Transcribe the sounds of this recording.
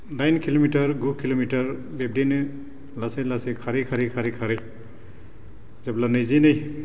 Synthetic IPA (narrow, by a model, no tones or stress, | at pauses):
najnkʰilomitaɾɡukʰilomitaɹ | beb̚denɯ | lasajlasejkʰaɾikʰaɾikʰaɾikʰaɾɯj | zɛblanɯjzinɯj